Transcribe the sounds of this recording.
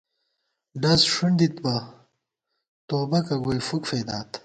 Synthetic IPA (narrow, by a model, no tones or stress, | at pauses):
ɖɐzʂuɳd̪it̪bɐ | t̪oːbɐkɐɡojfukfeːd̪aːt̪